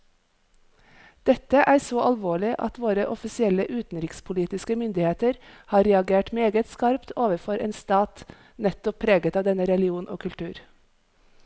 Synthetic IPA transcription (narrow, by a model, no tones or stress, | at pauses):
d̪̥ɛt̪əʔæːsoːʔɑlʋoːɭɪʔɑ̰t̪ʋoːɾəʔɔfɪsɪɛləʔʉːt̪n̩ɾɪkspʰʊliːt̪ɪskəmʏnd̪ɪheːt̪əɾhɑːɾɛɑɡeːʈmeːɡət̪skɑɾpt̪ʰoːʋəɾfɔɾʔḛːnst̪ɑːt̪ | nɛt̪ɔpʰːɾeːɡət̪ɑːʋd̪ɛnəɾɛlɪuːnʔo̰ːkʰʉlt̪ʰʉːɾ